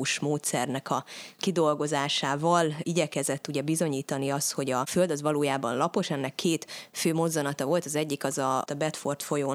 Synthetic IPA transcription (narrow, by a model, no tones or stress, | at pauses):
uʃmoːt̪sɛrnɛkɒkid̪o̞lɡo̞zaːʃaːvɒliɟɛkɛzɛt̪ːuɟɛbizoɲiːt̪ɒniɒst̪ho̞ɟɒfø̞ld̪ɒzʋɒloːjaːbɒnlɒpo̞ʃɛnːɛkʰːeːt̪føːmo̞zːɒnɒt̪ɒvo̞lt̪ɒzɛɟːikɒzɒt̪ɒbɛt̪fo̞rt̪fo̞joː